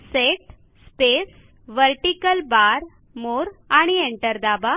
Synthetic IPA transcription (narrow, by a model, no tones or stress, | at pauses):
seʈ | spes | ʋəɾʈikəlbaɾ | moɾaɽ̃ieɳʈəɾd̪aba